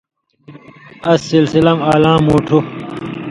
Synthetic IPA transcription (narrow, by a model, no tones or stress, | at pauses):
ɐsːilsilɐmaːlãːmoːʈʰu